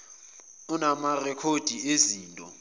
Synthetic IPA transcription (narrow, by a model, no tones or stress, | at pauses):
unamarɛkʰod̥ʱieziːntʼɔ